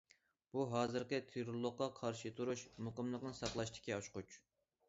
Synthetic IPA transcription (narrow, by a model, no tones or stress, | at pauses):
b̥uɦɑːzɨɾqət̪ʰeɾulˠːʊqqːɑqʰɑɾʃɨt̪ʰuɾuʃmuqəmlˠəqnɨŋsɑqlˠɑʃt̪ʰɪ̥kʲiɑʃqut͡ʃ